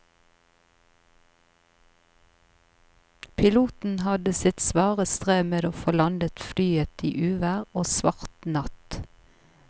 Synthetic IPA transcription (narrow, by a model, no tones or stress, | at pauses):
pʰɪluːt̪n̩hɑd̪əsɪt̪sʋɑːʁəst̪ʁeːmeːd̪oːfoːlɑnd̪ət̪flyːət̪ḭːʔʉːʋæʁoːsʋɑʁt̪nɑt̪